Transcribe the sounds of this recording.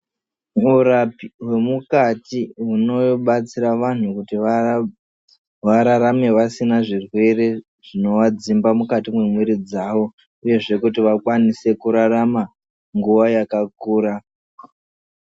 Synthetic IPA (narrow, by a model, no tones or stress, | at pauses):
urapiwe̞mukatiɦuno̞oɓat͡siɾaʋan̤ukuti | ʋaɾaɾame̞ʋasinaʐirwe̞re̞ | ʐ̥ino̞ʋad͡zimbamukatimwe̞mweɾid͡zaːʋo̞ | uje̞ʐe̞kut̬iʋakwanise̞kuɾarama | ŋɡuʋajakakuːɾa